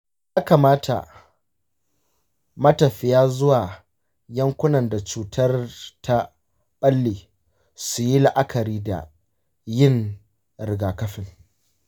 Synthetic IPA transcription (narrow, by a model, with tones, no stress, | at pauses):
jaː˦ka˨maː˦tʰa̰˨ | mɐ˦tɐ˨ɸɪ˦jaː˦zʊ˦waː˨ | jɐ˦ŋkʷʊ˦nɐ˨nda˨t͡ʃuː˨tʰɐ˦rta˦ | ɓɐ˦lːiː˨ | su˨ji˦la˨ʔa˦kɐ˨ɾiː˦da̰˨ | jɪ˦˨ŋ | ɾɪ˨ɡaː˨kɐ˦ɸɪ˨ŋ